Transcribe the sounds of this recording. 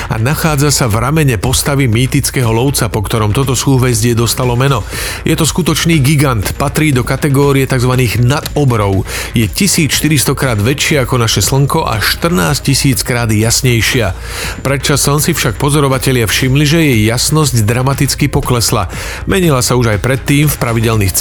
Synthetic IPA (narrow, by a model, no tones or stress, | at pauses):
a̰naxaːd͡zasavɾamɛɲɛpɔst̪aʋimiːt̪it͡skɛɦɔlɔʊt͡sapɔkt̪ɔɾɔmt̪ɔt̪ɔsuːʋɛzɟɪɛd̪ɔst̪alɔmɛnɔ | jɛt̪ɔskut̪ɔt͡ʃniːɡiɡant̪pat̪ɾiːd̪ɔkat̪ɛɡɔːɾiɛt̪aɡzʋaniːɣnad̪ɔbɾɔʊjɛcisiːt͡sʃt̪iɾist̪ɔkɾaːd̪ʋɛt͡ʃɪɛakɔnaʃɛsl̩ŋkɔʔa̰ʃt̪r̩naːsc̚cisiːt͡skɾaːd̪jasɲɛjʃɪa | pɾɛt̪t͡ʃasɔnsifʃak̚pɔzɔɾɔʋacɛʎɪafʃimliʒɛjɛjːasnɔzɟd̪ɾamat̪it͡skipɔklɛsla̰ | mɛɲilasauʒajpɾɛt̪ːiːmfpɾaʋiɟɛlnixt͡s